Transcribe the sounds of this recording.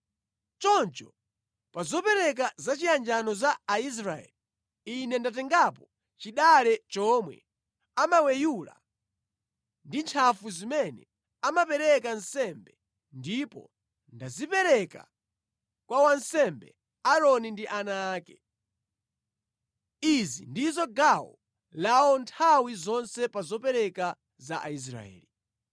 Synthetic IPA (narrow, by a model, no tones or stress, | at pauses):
t͡ʃɔnt͡ʃɔ | pazɔpɛɾɛk̬azat͡ʃiand͡ʒanɔzaːis̬ɾaɛ̰li | inɛndatɛŋɡapɔ | t͡ʃiɗalɛt͡ʃɔmwɛ̰ | amawɛjula̰ | ndint͡ʃʰafuzimɛnɛ̰ | amapɛɾɛkansɛmbɛ | ndipɔ̰ | ndazipɛɾɛka̰ | kwawansɛmbɛ̰ | aɾɔnindiʔanaːkɛ | izḭndizɔɡawɔ̰ | laɔntʰawizɔnsɛpazɔpɛɾɛka | zaʔais̬ɾa̰ɛ̰ːli